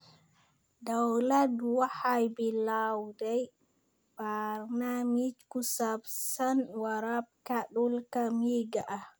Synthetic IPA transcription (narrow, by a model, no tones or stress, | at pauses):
dawladwahajbilawdɛj | b̥aɾnamit͡ʃkusabsanwaɾap̚kaɗulkamiɡaʔa